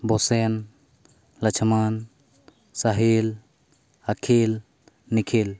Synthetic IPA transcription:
bɔsen | lɐt͡ʃʰman | saɦel | akʰel | nikʰel

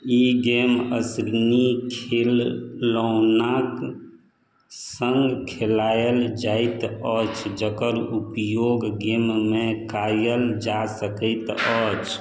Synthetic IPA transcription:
iɡemə̰sɾinikʰelːənak | səŋɡkʰelajəld͡ʒajt̪ət͡ʃʰd͡ʒəkəɾupjoɡɡemmekajəld͡ʒasəkəɪt̪ət͡ʃʰ

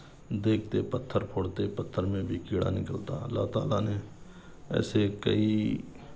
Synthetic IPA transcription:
d̪eːkʰt̪eːpət̪ʰːəɾpʰʊɽt̪eːpət̪ʰːəɾmẽːbʱiːkeːɽa̰ːnɪkəlt̪aːəlːa̰ːɦt̪aːlaːneː | ɛ̰ːseːkəiː

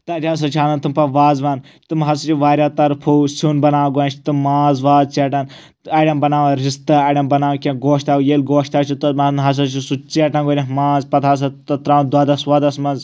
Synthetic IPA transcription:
t̪ɐt̪ʲas̬ɐt͡ʃʰaːnɐnt̪ɨmpɐʋaːzʋaːn | t̪ɨmɦɐs̬ɐt͡ʃʰiʋaːɾʲjaːt̪ɐɾpʰoːsunbɐnaːɡont͡ʃʰt̪ɨmaːzʋaːzt͡ʃeʈɐn | ɐːjɖɐmbɐnaːʋɐɾist̪ɨɐːɖɐmbɐnaːʋkʲẽɡoːʃt̪aːujeːlɡoːʃt̪aːt͡ʃʰit̪umɐnɦɐs̬ɐt͡ʃisut͡ʃeʈɐnɡoːnʲɐmãːzpɐt̪ʰaːs̬ɐt̪ɐt̪ɾãːd̪aːd̪ɐswɐd̪ɐsmɐnz

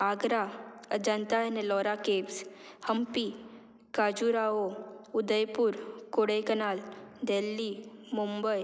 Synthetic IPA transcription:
aɡɾaəd͡ʑənt̪ajanelɔɾakepshəmpi | kad͡ʑuɾaoud̪əjpuːɾkoɽejkənald̪elːimumbəj

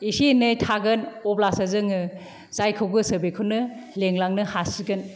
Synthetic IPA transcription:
isinɯjtʰaɡɯnɔplasazɯŋɯ | zajkʰɯwɡɯsɯbekʰɯnɯleŋlaŋnɯhasiɡɯn

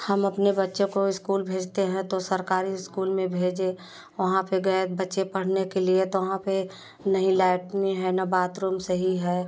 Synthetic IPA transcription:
hɐmɐpnebɐtːʃẽkoɪskuːlbʱeːd͡ʒt̪eɦɛ̃t̪osɐɾkaːɾiɪskuːlmẽbʱeːd͡ʒe | ʋɐɦãpeɡɐt̪bɐtːʃepɐɽ̤nekeliet̪oʋɐɦãpe | nɐɦĩlɛːɪʈmẽɦɛnabaːt̪ɾoːmsəɦiɦɛː

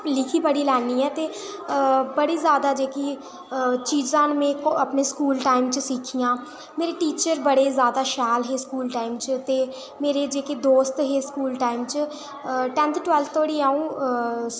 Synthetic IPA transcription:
lɪkʰiːpəɽiːlɛːniːɛːt̪eː | bəɽiːzjaːd̪aːd͡ʒeːkiː | t͡ʃiːzãːnmẽkəpneːskuːlʈaːɪmt͡ʃəsɪkʰijãː | meːɾeːʈiːt͡ʃəɾbəɽeːzjaːd̪aːʃɛːlɦeːskuːlʈaːɪmt͡ʃt̪eː | meːɾeːd͡ʒeːked̪oːst̪ɦeːskuːlʈaːɪmt͡ʃə | ʈɛ̃ːnt̪ʰʈwɛːlfʰt̪ʰoːɽiːaːũː

